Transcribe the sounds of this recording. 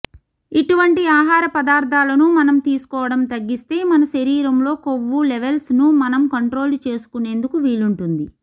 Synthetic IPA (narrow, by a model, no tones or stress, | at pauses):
iʈuʋɐɳʈiaːɦaːɾɐpɐd̪aːɾt̪aːlɐnumɐnɐmt̪iːsu̥kɔːʋɐɽɐmt̪ɐɡːist̪e̞ːmɐnɐʃɐɾiːɾɐmlo̞ːkoʋːulɛʋelsnumɐnɐmkɐɳʈɾo̞ːlt͡ʃe̞ːsu̥kune̞ːnd̪ukuʋiːluɳʈund̪i